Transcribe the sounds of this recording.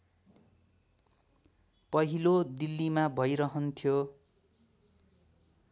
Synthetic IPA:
pʌɦilod̪ilːimabʱʌjɾʌɦʌnt̪ʰjo

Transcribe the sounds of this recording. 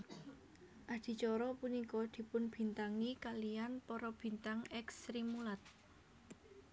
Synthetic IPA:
ʔad̪̥i̤t͡ʃɔɾɔpunikɔd̪̥i̤pʊnb̥i̤nt̪aŋikalijanpɔɾɔb̥i̤nt̪aŋɛksɾimulat̪̚

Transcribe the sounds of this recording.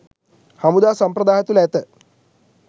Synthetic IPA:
hɐmud̪aːsɐmpɾɐd̪aːɦɐt̪uleːt̪ɨ

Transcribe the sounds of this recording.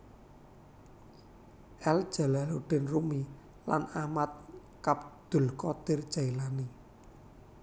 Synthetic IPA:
ʔɛld̥ʒ̥a̤laloɖ̥ɛ̤nrumi | la̰namat̪̚ | kap̚d̪̥ṳlkɔd̪̥erd̥ʒ̥a̤ilani

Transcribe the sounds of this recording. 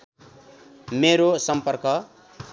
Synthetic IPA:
meɾosʌmpʌrkʌ

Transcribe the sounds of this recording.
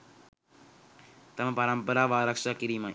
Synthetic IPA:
t̪ɐmɐpɐɾɐmpɐɾaːʋaːɾɐkʂakiɾima

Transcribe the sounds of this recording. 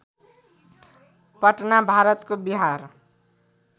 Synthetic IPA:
pʌʈnabʱaɾʌt̪kobiɦaɾ

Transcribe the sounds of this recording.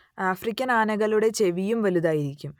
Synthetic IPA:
aːfrikʲːɐnaːnɐɣɐɭuɽe̞t͡ɕe̞ʋijumʋɐluðaːjiɾikʲːum

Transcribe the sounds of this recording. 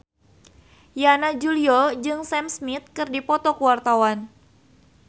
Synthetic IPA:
janad͡ʒuliɔd͡ʒɨŋsɛmsmit̪̚kɨrdipɔt̪ɔkuwart̪awan

